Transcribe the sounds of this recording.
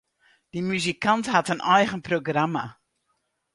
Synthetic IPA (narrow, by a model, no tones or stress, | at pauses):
d̥imyzikantɦatənɛjχənproɡrama̰